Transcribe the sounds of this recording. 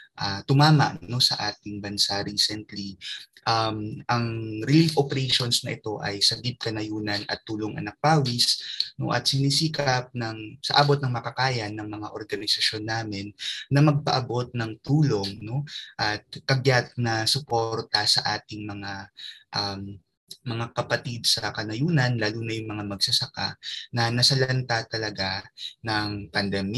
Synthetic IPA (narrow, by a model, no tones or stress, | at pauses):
ʔɐt̪ʊmaːmɐ̰ʔno̞sɐ̰ʔaːt̪ɪŋbɐnsaɾiːsɛnt̪liʔɐmʔɐŋɾɪlifʔopɛɾɛjʃo̞nsnɐʔɪt̪o̞ʔɐjsɐɡɪd̪̚kɐnɐjuːnɐnʔɐ̰t̪ːuːlo̞ŋʔɐ̰nɐk̚paːwisno̞̰ʔɐt̪̚sɪniːsiːkɐp̚nɐŋsɐ̰ʔaːbot̪̚nɐŋmɐkɐkaːjɐnɐŋmɐŋaʔo̞ɾɡɐnɪsɐʃo̞nːaːmɪnːɐmɐɡ̚pɐʔɐbo̞t̪̚nɐŋt̪uːlo̞ŋno̞ʔɐt̪̚kɐɡjat̪̚nɐsʊpo̞ɾt̪ɐsɐʔaːt̪ɪŋmɐŋaʔɐmː | ɐŋakɐpɐt̪id̪̚sɐkɐnɐjuːnɐnlaːluːnɐjʊŋmɐŋamɐɡsɐsɐka̰nɐnɐsɐlɐnt̪at̪ɐlɐɡanɐŋpɐnd̪ɛm